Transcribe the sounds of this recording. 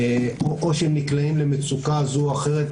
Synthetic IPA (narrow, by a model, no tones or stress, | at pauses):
oʔoʃeemniklaimle̞met͡sukazuaχe̞ʁet̪